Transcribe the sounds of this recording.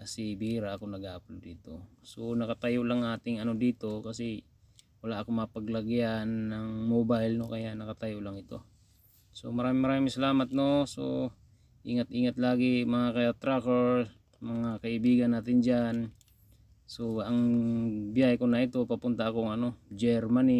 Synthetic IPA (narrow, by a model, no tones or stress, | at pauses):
kɐsɪbiɾaʔɐkonɐɡaːplod̪iːt̪o̞sonɐkɐt̪ɐjolɐŋaːt̪ɪŋɐno̞d̪iːt̪o̞kɐsɛ | wɐlaʔɐkomɐɐpɐɡlɐɡɪanːɐŋmoːbajlno̞kɐjaʔnɐkɐt̪ajolɐŋɪt̪o̞̰ | so̞̰mɐɾaːmɪŋmɐɾaːmɪŋsɐlaːmɐt̪̚no̞so̰ | ʔiːŋɐt̪ʔiːŋɐt̪laːɡɪmɐŋakɐat̪ɾakɛɹ | mɐŋakɐʔɪbiːɡɐnːaːt̪ɪnd͡ʒan | so̞ɐŋbjaːhɪkonɐʔɪt̪o̞pɐpʊnt̪ɐɐkoŋɐno̞d͡ʒɛɾmani